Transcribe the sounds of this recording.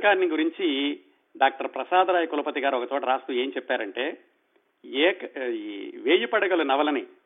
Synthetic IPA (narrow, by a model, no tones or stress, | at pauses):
kaːɾniɡuɾiɲt͡ʃi | ɖaːk̚ʈɐɾpɾɐsaːd̪ɐɾaːjɐkulɐpɐt̪iɡaːɾuɔkɐt̪oːʈɐɾaːst̪ue̞ːɲt͡ʃɛpːaːɾɐɳʈe̞ː | ɛːkɐ | ʋeːjupɐɽɐɡɐlunɐʋɐlɐni